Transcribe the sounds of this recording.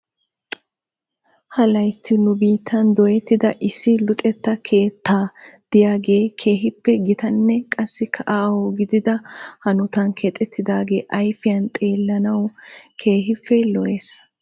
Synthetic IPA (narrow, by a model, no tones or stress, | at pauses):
hɐlɐjt̪ʰːɪnʊbiːt̪ːɐnd̪ɔjɛt̪ːɪd̪ɐʔɪsːɪlʊt̪ʼɛt̪ːɐkʰe̞ːt̪ːaːd̪̥ɪjaːɡe̞ːkʰe̞ːɦɪpːɛɡɪt̪ɐnːɛkʼɐsːɪkʰɐʔaːwoɡɪd̪ɪd̪ɐhɐnʊt̪ɐnkʰet̪ʼɛt̪ːɪd̪aːɡe̞ːʔɐjfɪjɐnt̪ʼe̞ːlːɐnɐwkʰe̞ːɦɪfːɛlɔeːs